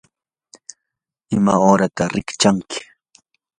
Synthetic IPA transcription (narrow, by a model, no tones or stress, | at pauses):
ɪma̰oːɾat̪aɾɪkt͡ʃaŋkɪ̥